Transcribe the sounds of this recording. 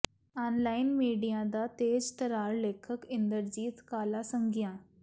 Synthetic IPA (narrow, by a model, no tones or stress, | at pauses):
anlainmiɖijãd̪at̪ed͡zt̪əɾaɾlekʰəkind̪əɾd͡ʑiːt̪kalasəŋɡjã